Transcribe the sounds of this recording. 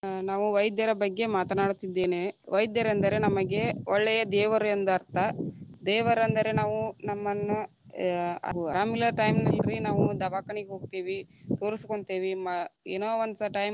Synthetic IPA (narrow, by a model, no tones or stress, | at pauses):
naːʋuʋɐjd̪jɐɾɐbɐɡːe̞maːt̪ɐnaːɽut̪id̪ːe̞ːneʋɐjd̪jɐɾɐnd̪ɐɾe̞nɐmɐɡe̞ɔɭːɛjɐd̪ɛːʋɐɾɐnd̪ɐɐɾt̪ɐd̪ɛːʋɐɾɐnd̪ɐɾe̞naːʋunɐmːɐnːu | ɐ̰uɐɾaːmilɐɾʈɐjmnɐɦiɾinaːʋud̪ɐʋaːkɐɳiɡeɦoːɡ̚t̪iːʋit̪o̞ːɾisi̥koɳt̪eːʋimɐeːnoːʋɐnd̪ɐʈɐjm